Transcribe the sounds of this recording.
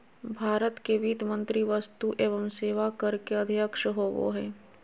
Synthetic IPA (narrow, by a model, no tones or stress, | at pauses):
bʱaːɾət̪keʋiːt̪mə̃nt̪ɾiʋəst̪uʔeːʋəmseːʋakəɾkeɐd̪ʱijəkʃəɦoːʋo̰ɦɛː